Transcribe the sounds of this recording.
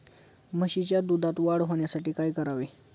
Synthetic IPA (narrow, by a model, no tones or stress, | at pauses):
məɕit͡ɕjad̪ud̪ʱat̪ʋaɽɦoɳjasaʈiːkajkəɾaʋe